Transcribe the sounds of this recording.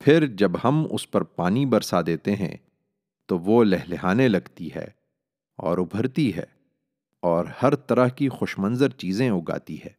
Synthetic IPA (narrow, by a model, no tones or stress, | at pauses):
fʰɪɾd͡ʒɐbhɐmʊ̰spɐɾpaːnibɐɾsad̪eːt̪eɦɛ̰̃ | t̪oʋolɛɦleɦaːnelɐɡt̪iɦɛ̰ː | ɔ̰ːɾʊbʱəɾt̪iɦɛ̰ː | ɔːɾhɐɾt̪ɐɾəɦkixʊʃmɐ̃nzəɾt͡ʃiːzẽʊɡa̰ːt̪iɦɛː